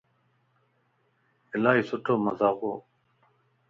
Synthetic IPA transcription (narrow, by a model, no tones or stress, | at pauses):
ɪlaːɦiːsʊʈʰoːməzaːɣoː